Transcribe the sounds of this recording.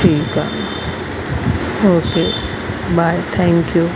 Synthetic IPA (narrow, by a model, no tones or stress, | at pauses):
iːka̰ | okeː | bajt̪ʰɛ̃ŋkju